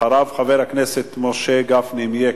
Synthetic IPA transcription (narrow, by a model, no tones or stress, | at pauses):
aɾavχaveɾhakneset̪moʃeɡafnimje